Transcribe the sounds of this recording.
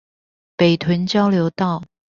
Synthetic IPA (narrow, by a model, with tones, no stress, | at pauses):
pe˨˩ɪt̪ʰwə˧˥nt͡ɕjɑ˥ʊljo˧˥ʊt̪ɑ˥˩ʊ